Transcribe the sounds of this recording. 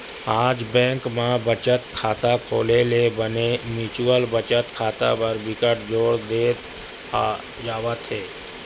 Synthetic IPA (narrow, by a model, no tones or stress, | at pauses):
aːd͡ʒbɛ̃ːŋkmãbət͡ʃət̪kʰaːt̪akʰoːlelebənemɪːt͡ʃwəlbət͡ʃət̪kʰaːt̪a̰pəɾbɪkəʈ̚d͡ʒoːɽd̪eː | d͡ʒaːʋət̪ɦeː